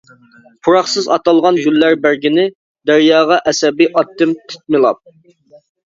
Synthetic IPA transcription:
pʰuɾɑχsɨzɑt̪ɑlˠʁɑnɡʲylːæɾbæɾɡʲinɪ | d̪æɾjɑːʁɑʔɛsɛbiʔɑt̪ːɪmt̪ʰɪ̥t̪̚mɪlˠɑp̚

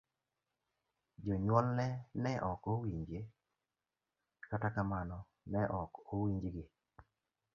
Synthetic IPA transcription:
d͡ʒɔɲwɔlnɛnɛʔɔkowiɲd͡ʒe | katakamanɔ | nɛʔɔkowiɲd͡ʒɡɪ

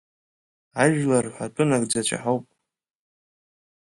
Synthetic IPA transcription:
aʒᶣlarħʷatʷʼɨnakʼd͡zat͡ʃʷʰa̰ħowpʼ

